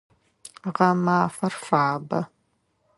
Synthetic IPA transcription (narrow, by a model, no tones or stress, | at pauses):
ʁɐmaːfɐrfaːbɐ̰